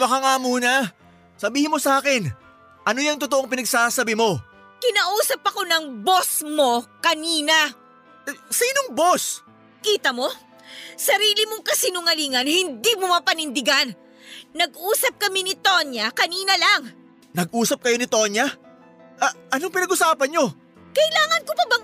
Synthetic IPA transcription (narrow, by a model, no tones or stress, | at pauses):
mɐkaŋamuːnɐ | sɐbiːhɪnmo̞sɐʔaːkɪn | ʔɐno̞jɐŋt̪ʊt̪oʔoŋpɪnɐɡsaːsɐbɪmo̞ | kɪnɐʔuːsɐpɐko̞nɐŋbo̞smo̞kɐniːnɐ | siːnoŋbo̞s | kiːt̪ɐmo̞ | sɐɾiːlɪmoŋkɐsinʊŋɐliːŋɐnhɪnd̪imomɐpɐnɪnd̪ɪɡanː | ɐɡʔuːsɐp̚kɐminɪt̪o̞njɐkɐniːnɐlaŋ | nɐɡ̚ʔuːsɐp̚kɐjo̞nɪt̪o̞ɲjɐ | ʔɐʔɐnoŋpɪnɐɡʔʊsaːpɐnɲo̞ | kɐɪlaːŋɐnkopɐbɐ